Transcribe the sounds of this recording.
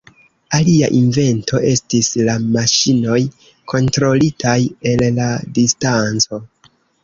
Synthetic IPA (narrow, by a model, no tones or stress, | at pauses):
alia̰ʔinve̞ntʰo̞ʔe̞stislamaʃino̞j | kʰo̞ntɾo̞litʰaje̞lːadistant͡so̞